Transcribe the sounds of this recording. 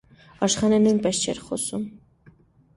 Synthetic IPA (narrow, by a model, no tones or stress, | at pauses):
ɑʃχɑnɛnujnpɛst͡ʃʰɛ̰ɾχɔ̰sum